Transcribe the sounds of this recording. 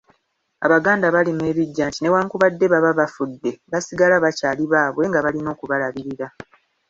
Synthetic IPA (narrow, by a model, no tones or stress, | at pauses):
a̰βaɡaːndaβalimue̞ːβiɟːaːntine̞waːŋkuβadːe̞βaβaβafudːe̞βasiɡalaβacaːliβaːβwe̞ŋɡaβalino̞ːkuβalaβiɾiɾa